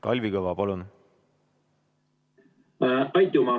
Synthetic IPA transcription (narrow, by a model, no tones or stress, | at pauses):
k̪ɑlʲvikɤvɑpɑlun | ʔɑjt̪umɑ